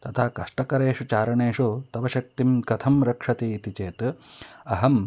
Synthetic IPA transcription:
t̪ɐt̪ʰaːkɐʂʈɐkɐɾeːʂut͡ʃaːɾɐɳeːʂut̪ɐʋɐʃɐk̚t̪imkɐt̪ʰɐmɾɐkʂɐt̪iːit̪it͡ʃeːt̪ɐɦɐm

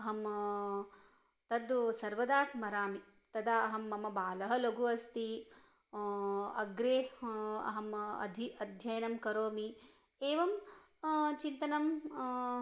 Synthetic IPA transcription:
ɐɦɐm | t̪ɐd̪sɐɾʋɐd̪aːsmɐɾaːmi | t̪ɐd̪aːɐɦɐmːɐmɐbaːlɐɦɐ̆lɐɡʱuɐst̪i | ɐɡɾeːɐ̰ɦɐmɐ̰d̪ʱiɐd̪ʱjɐjɐnɐmkɐɾoːmi | eːʋɐm | t͡ʃint̪ɐnɐm

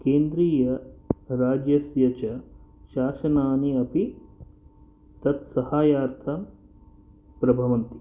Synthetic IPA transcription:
keːnd̪ɾiːjɐɾaːd͡ʒjɐsjɐt͡ʃɐʃaːʃɐnaːniɐpi | t̪ɐt̪sɐhaːjaːɾt̪ʰɐm | pɾɐbʱɐʋɐnt̪i

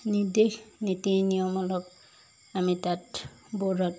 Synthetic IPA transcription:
nid̪ekʰnit̪inijɔmɔlɔk | amit̪at | boɾɔt

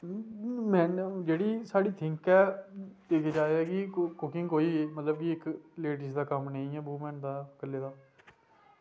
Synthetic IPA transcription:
mɛ̃ːnd͡ʒeːɽiːsaːɽiːt̪ʰɪ̃ŋkɛːt̪eːkʰːd͡ʒaːeːɛːkɪkʊkɪ̃ŋɡkoːiːmət̪ləbkiɪkleːʈɪsd̪aːkəmnəːĩːɛːbuːmɛ̃ːnd̪aːkəlːeːd̪aː

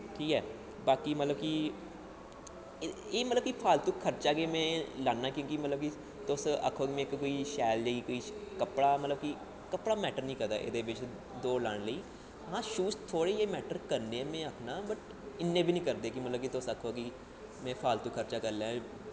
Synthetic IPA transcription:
ʈʰiːkɛː | baːkiːmət̪ləbki | eːmət̪ləbkipʰaːlt̪ukʰːəɾt͡ʃaːkeːmɛ̃ːlaːnːaːkjõːkimət̪ləb̚ki | t̪ʊsə̰kʰːoːkimɛ̃ːkːoːiːʃɛːld͡ʒaːikoːiːkəpɽaːmət̪ləbki | kəpɽaːmɛːʈəɾnĩːkəɾd̪a̰ːʔɪ̰d̪eːʋɪt͡ʃ | d̪oːlaːɳləiː | ɦãːʃuːst̪ʰoːɽeːeːmɛːʈəɾkəɾneːɛːmɛ̃ːəkʰnaːbəʈ | ɪnːẽːbʱiːnĩːkəɾd̪eːkɪmət̪ləb̚kit̪ʊsəkʰːoːki | mɛ̃ːpʰaːlt̪uːkʰːəɾt͡ʃaːkəɾlãː

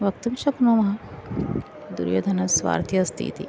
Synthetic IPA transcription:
ʋɐkt̪umʃɐknoːmɐɦɐ | d̪ṵɾjo̰ːd̪ʱɐnɐsʋa̰ːɾt̪ʰjɐst̪ʰḭːt̪ḭ

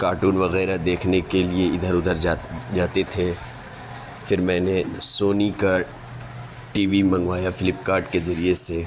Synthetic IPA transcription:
kaːɾʈuːnʋɐɣɛːɾad̪eːkʰnekelieɪd̪ʱəɾʊd̪ʱəɾd͡ʒaːt̪et̪ʰe | fɪɾmɛ̃ːnesoːnika | ʈiːʋimɐ̃ŋɡʋaːjafɪlɪpkaːɾʈkezɐɾiese

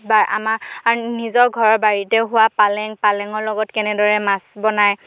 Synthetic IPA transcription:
baa̰maaɹnizɔɹɡʱɔɹɔɹbaɹitɛɦʊwapalɛŋpalɛŋɔɹlɔɡɔtkɛnɛdɔɹɛmasbɔnaj

